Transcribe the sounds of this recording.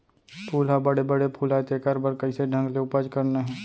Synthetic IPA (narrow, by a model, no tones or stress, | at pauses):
pʰuːlɦabəɽebəɽepʰuːlaet̪ekəɾbəɾkəiseɖʱə̃ŋɡleʊpəd͡ʒkəɾneɦɛ̃ː